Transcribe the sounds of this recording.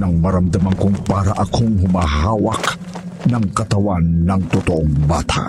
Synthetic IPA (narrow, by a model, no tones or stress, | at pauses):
naŋmɐɾamd̪amaŋkʊŋpaɾaʔakʰoŋɦʊmaɦawak | naŋkɐt̪awanːaŋt̪ʊt̪oʔoŋbaːt̪ʰa̰